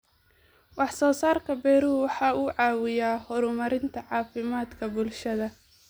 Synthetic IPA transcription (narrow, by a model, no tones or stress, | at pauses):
wɑħsɔːsaːrkʰɐbɛjɾuwɑħɑːuːʕɑːwɪjaːhɔɾʊmɐɾɪnt̪ʰɐʕɑːfɪmaːd̪kʰɐbʊlʃɐðɐ